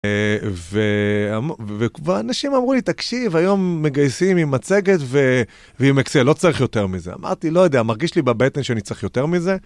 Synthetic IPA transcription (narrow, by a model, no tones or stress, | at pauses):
veamvevanaʃimamʁulit̪akʃivajo̞mːe̞ɡajsimimat͡se̞ɡe̞t̪ve | veimekt͡selo̞t͡saʁiχjo̞t̪e̞ʁmizea̰mʔa̰ʁt̪ilo̞jo̞d̪eamaʁɡiʃlibabet̪enʃeanit͡saʁiχjo̞t̪e̞ʁmize̞